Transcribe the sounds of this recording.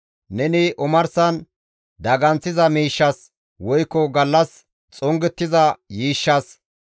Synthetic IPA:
nɛnɪʔʊmɐɾsɐn | d̪ɐɡɐnt͡sːɪzɐmiːʃːɐs | wɔjkːɔɡɐlːɐs | t͡sʼɔŋɡɛt̪ːɪzɐjiːʃːɐs

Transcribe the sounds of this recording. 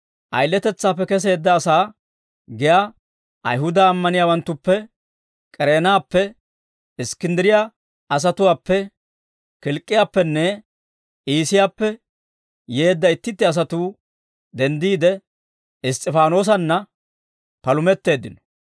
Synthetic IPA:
ʔɐ̰jlːɛt̪ɛt͡sːaːpːɛkɛs̬e̞ːd̪ːɐːsaː | ɡɪja | ʔɐ̰jɦʊd̪aːmːɐnɪjaːwɐnt̪ːʊpːɛ | kʼɛɾeːnaːpːɛ | ɪskɪnd̪ɪɾɪja | ɐs̬ɐt̪ʊwaːpːɛ | kɪlkʼːɪjaːpːɛnːɛ | iːsɪjaːpːɛ | je̞ːd̪ːɐɪt̪ːɪt̪ːɪɐs̬ɐt̪uː | d̪ɛnd̪iːd̪ɛ | ɪst̪ʼɪfaːno̞ːs̬ɐnːɐ | pɐlʊmɛt̪ːe̞ːd̪ːɪnɔ̥

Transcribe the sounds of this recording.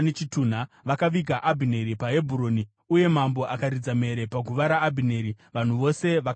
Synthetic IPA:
net͡ʃituːn̤a | ʋakaʋiɡʱaʔabʱine̞ɾipaɦe̞bʱuɾo̞ːni | uje̞mambo̞ʔakaɾid͡zame̞ɾe̞paɡʱuʋaɾaːbʱine̞ɾi | ʋan̤uʋo̞se̞ʋak

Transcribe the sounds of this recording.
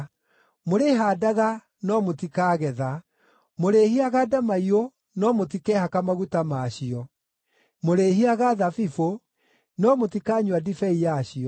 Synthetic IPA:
moɾeɦaːdaɣa | nɔmotikaːɣɛða | moɾeːɦiaɣaːdamaio | nɔmot̬ikɛhakamaɣutamaɕiɔ | moɾeɦiaɣaðafifo | nɔmotikaːɲwadifɛijaɕiɔ

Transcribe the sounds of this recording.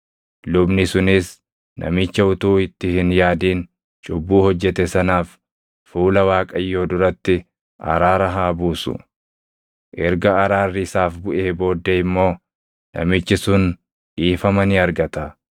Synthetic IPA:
lʊbnɪsʊnɪs | nʔɐ̰mɪt͡ʃːɐʊt̪uːɪt̪ːɪhɪnjaːd̪iːn | t͡ʃʼʊbːuːhɔd͡ʒːɛt̪ɛsɐnaːf | fuːlɐwaːkʼɐjːo̞ːd̪ʊɾɐt̪ːɪ | ʔɐ̰ɾaːɾɐɦaːbuːsʊ̰ | ʔɛɾɡɐːɾaːrːɪɪsaːfbʊʔeːbo̞ːd̪ːɛɪmːo̞ː | nɐ̰mɪt͡ʃːɪsʊn | ʔiːfɐmɐnɪɐɾɡɐt̪ɐ

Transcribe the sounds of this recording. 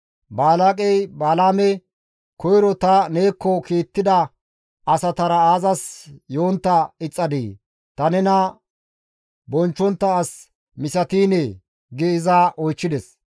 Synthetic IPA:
baːlaːkʼɛjbaːlaːmɛ | kɔjɾɔt̪ɐne̞ːkːɔkiːt̪ːɪd̪ɐ | ʔɐsɐt̪ɐɾɐaːzɐsjoːnt̪ːɐɪt͡sʼːɐd̪ḭː | t̪ɐnɛnɐ | bɔnt͡ʃːɔnt̪ːɐːs | mɪsɐt̪iːnɛ | ɡɛɪzaːʔɔjt͡ʃːɪd̪ɛs

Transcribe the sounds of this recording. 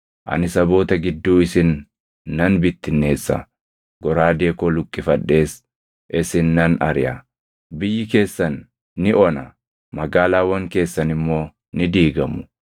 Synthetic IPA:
ʔɐ̰nɪsɐbo̞ːt̪ɐɡɪd̪ːuːɪsɪnː | ɐnbɪt̪ːɪnːe̞ːsːɐ̰ | ɡ̥ɔɾaːd̪e̞ːkɔlʊkʼːɪfɐᶑe̞ːs | ʔɪsɪnːɐnɐ̰ɾɪjaː | bɪjːɪke̞ːsːɐnː | ɪʔɔnɐ | mɐɡaːlaːwɐŋke̞ːsːɐnɪmːo̞ː | nɪd̪iːɡɐmʊ̥

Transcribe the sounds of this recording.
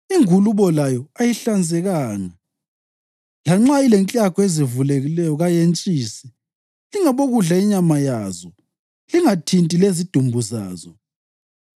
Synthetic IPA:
iŋuluβɔlajɔajiɬand͡zʱɛɣaːna | laŋ͡ǁailɛnt͡ɬʼakʰɔezivuleɣilɛjɔɣajent͡ʃʼiːsɛ̥ | liŋaβoɣuɮaiɲamajaːzɔ | liŋatʰintʼilezid̥ʱumbʱuza̰ːzɔ

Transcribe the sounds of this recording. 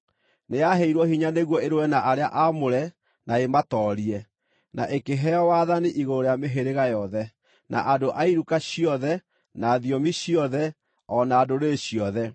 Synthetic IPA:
nejaɦeiɾwɔhiɲaneɣwɔeɾowɛnaʔaɾeaʔamoɾɛ | naematɔːɾiɛ | naʔekeɦɛɔwaðaniʔiɣoɾojameɦeɾeɣajɔðɛ | nʔa̰ʔadoʔaiɾukaɕiɔðɛ | naːðiɔmiɕiɔðɛ | ɔnaːdoɾeɕiɔðɛ

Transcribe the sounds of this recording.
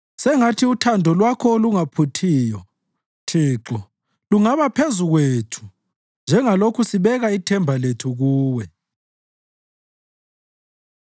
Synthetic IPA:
sɛŋatʰiutʰandʱɔlwakʰɔoluŋapʰutʰiːjɔ | tʰiːǁɔ | luŋaβapʰezuɣweːtʰu̥ | nd͡ʒʱɛŋalokʰusiβɛɣaitʰɛmbʱaletʰuɣuːwɛ

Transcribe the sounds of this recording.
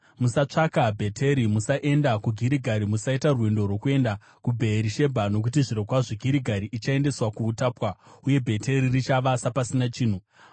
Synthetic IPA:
musat͡ʂakabʱe̞tʰe̞ɾimusaʔe̞ndakuɡʱiɾiɡʱaɾimusaitarwindo̞rwo̞kue̞nda | kubʱe̞ːɾiʃe̞bʱano̞k̬utiʐiɾokwaʐeɡʱiɾiɡʱaɾiʔit͡ʃae̞nde̞swakuːtaːpwauje̞bʱe̞tʰe̞ɾirit͡ʃaʋasapasinat͡ʃiːn̤u

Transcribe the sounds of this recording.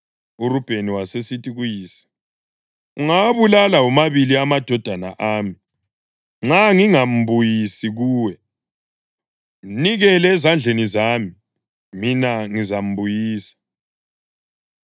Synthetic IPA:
uɾub̥ʱeniwasesitʼiɣujiːsḁ | uŋaβulalaumaβiliamad̥ʱɔd̥ʱana̰ʔaːmi | ŋ͡ǁaŋiŋam̩βujisiɣuːwɛ | niɣɛlɛzand͡ɮʱenizaːmi | minaŋizam̩bujiːsḁ

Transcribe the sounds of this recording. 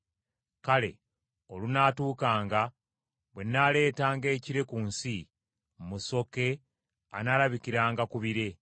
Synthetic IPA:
kale̞̰ | o̞lunatuːkaːŋɡa | βwe̞nːale̞ːtaːŋɡe̞ːciɾe̞kuːnsi | mmuso̞ke̞ | a̰nalaβikiɾaːŋɡakuβiɾe̞

